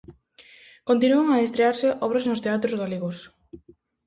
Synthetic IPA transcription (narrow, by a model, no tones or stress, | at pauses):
kont̪̬inuaŋaest̪ɾeaɾseʔɔβɾaznʊst̪eat̪ɾozɣaleɣos